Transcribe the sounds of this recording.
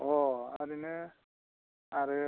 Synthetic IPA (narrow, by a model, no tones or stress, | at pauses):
ɔa̰ɾinɛ | aɾɛ